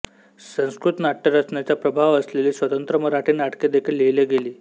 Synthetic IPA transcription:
sə̃w̃skɾut̪naʈːəɾat͡sɳjat͡ɕjapɾəbʱaʋəsleliːsʋət̪ənt̪ɾəməɾaʈiːnaʈked̪ekʰiːlːejleɡeliː

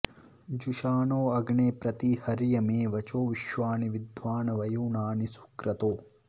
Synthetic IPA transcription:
d͡ʒuʃaːnoːɐɡɳeːpɾɐt̪ihɐɾjɐmeːʋɐt͡ʃoːʋiʃʋaːniʋid̪ʱʋaːnɐʋɐjuːnaːnisu̥kɾɐt̪oː

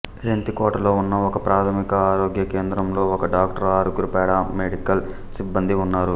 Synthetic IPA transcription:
ɾent̪ikoːʈɐlo̞ːunːɐɔkɐpɾaːt̪ʰɐmikɐaːɾo̞ːɡjɐkeːnd̪ɾɐmlo̞ːɔkɐɖaːk̚ʈɐɾaːɾuɡuɾupɛːɽameɽikɐl | sibːɐnd̪iunːaːɾu

